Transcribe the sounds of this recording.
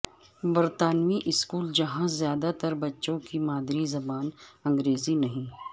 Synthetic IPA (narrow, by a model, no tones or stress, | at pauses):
bɐɾt̪aːnʋiʔɪskuːld͡ʒɐɦãzjaːd̪at̪ɐɾbɐtːʃõkimaːd̪ɾizɐbaːnɐ̃ŋɡɾeːzinɐɦĩ